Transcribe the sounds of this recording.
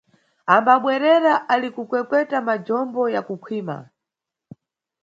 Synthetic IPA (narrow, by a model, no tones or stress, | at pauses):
ambaɓwɛɾɛɾaʔalikukwɛkwɛtamad͡ʒɔmbɔjakukʰwiːma̰